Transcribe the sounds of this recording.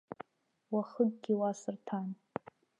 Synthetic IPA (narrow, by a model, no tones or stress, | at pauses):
waχəɡɡʲiwasɨrtʰan